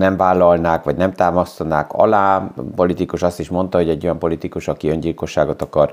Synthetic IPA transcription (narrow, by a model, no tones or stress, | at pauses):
nɛɱvaːlːɒlnaːkʋɒɟnɛmt̪aːmɒst̪ɒnaːkɒ̰laːpolit̪ikuʃɒst̪iʃmo̞nt̪ɒɦo̞ɟɛɟːo̞jɒmpo̞lit̪ikuʃɒkiøɲɟilko̞ʃːaːɡo̞t̪ɒkɒr